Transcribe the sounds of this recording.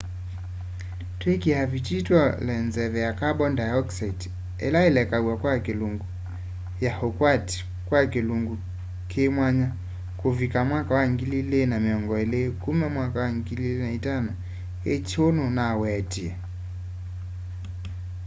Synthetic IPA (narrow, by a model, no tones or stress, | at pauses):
twɛkiavit͡ʃitwɔlɛnzɛvɛjakaɓɔndajɔksait | ɛ̰laɛlɛkaɡwakwakiluŋɡu | jahɔkwati̥ | kwakiluŋɡu | kʰemwaɲa | kuvikamwakawaŋɡililɛnamiɔŋɡɔɛlɛkumɛmwakawaŋɡililinaitana | ɛt͡ʃɔnunawɛatia